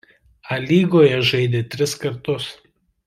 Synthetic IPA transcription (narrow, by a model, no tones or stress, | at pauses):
ɐlʲiːɡoːjɛʒɐɪd̪ʲet̪ʲɾʲɪskɐɾt̪ʊs